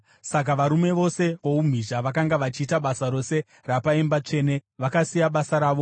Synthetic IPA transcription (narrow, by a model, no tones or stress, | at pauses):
sak̬aʋaɾume̞ʋo̞se̞ʋo̞um̤iʒaʋakaŋɡaʋat͡ʃiːtaɓasaɾo̞se̞ | rapaembat͡ʂe̞ːne̞ʋakasijaɓasaɾaːʋo̞